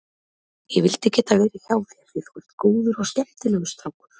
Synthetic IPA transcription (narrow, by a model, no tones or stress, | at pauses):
jɛ̰vɪlt̪ɪcɛːt̪avɛːɾɪçaːwθiafɪɾkʏl̥t̪koːðʏɾɔɣscɛm̥t̪ɪlɛɣʏst̪ɾawkʏɾ̥